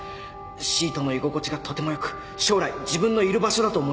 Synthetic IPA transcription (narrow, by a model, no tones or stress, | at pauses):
ɕiːt̪o̞no̞iɡo̞ko̞t͡ɕiɡat̪o̞t̪e̞mo̞jokɯ̟̥ | ɕo̞ːɾaid͡ʑibɯ̟̃nːo̞iɾɯ̟baɕo̞d̪at̪o̞ːmo